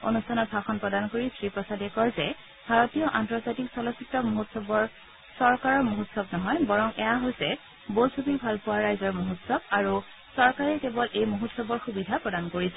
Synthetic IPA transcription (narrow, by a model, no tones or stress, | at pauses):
o̰nustʰanɔtsaxɔnpɹɔdankoɹisɹipɹɔsadɛkɔɹzɛ | bʱaɹotijɔʔantɔzatiksɔlɔsitːɔmoɦutsɔbɔɹ | sɔɹkaɹɔɹmuɦutsɔbnɔɦɔjbɔɹɔŋʔɛjaɦojsɛ | bosʰobibʱalpʊwaɹajzɔɹmoɦutsɔb̚aɹu | sɔɹkaɹɛkebɔlʔejmuɦutsɔbɔɹxubidʱapɹɔdankoɹisɛ